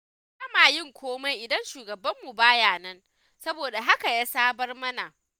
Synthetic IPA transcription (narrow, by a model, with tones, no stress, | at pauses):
sɐ˦maː˨jɪ˦˨ŋkʷoː˦ma˦jʔɪ˨dɐ˦nʃuː˨ɡɐ˨bɐ˦mːu˨baː˦jaː˨nɐ˦n | sɐ˦boː˨da˨ɦa˦ka˨jaː˦saː˦bɐ˦rmɐ˦na˨ʔ